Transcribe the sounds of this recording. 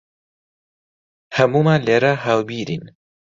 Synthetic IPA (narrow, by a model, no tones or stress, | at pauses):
hɐmumaleɾaɦawbiːɾḭn